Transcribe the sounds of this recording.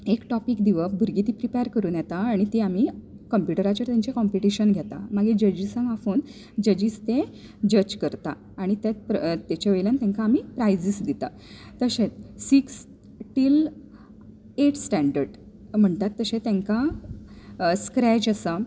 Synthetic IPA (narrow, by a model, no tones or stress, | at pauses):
ekʈɔpiːkd̪iʋəbuɾɡit̪ipɾipeaɾkəɾuːnjɛt̪aːɽ̃it̪iami | kəmpjuʈəɾat͡ɕəɾt̪jaɲt͡ɕekɔmpiʈiɕənɡʱjɛt̪a̰maɡed͡ʑəd͡ʑisãŋɡafoːn | d͡ʑəd͡ʑist̪ẽ | d͡ʑət͡ɕkəɾt̪aː | ɽ̃it̪jat̪pt̪et͡ɕaʋeljãnt̪ẽŋkaːmiːpɾajd͡ʑisd̪it̪a̰ | t̪əɕẽtsiks | ʈiːl | eʈsʈæ̃ɳɖəɾɖ | m̤əɳt̪at̪ːəɕẽt̪ẽŋka | skɾɛd͡ʑəsa